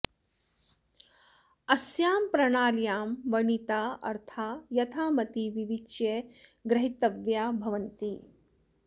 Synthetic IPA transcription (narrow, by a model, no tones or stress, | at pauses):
ɐsjaːmpɾɐɳaːɾjaːmʋɐɳit̪aːɐ̰ɾt̪ʰaːjɐt̪ʰaːmɐt̪iʋiʋit͡ʃjeɡɾɐɦit̪ɐʋjaːbʱɐʋɐnt̪i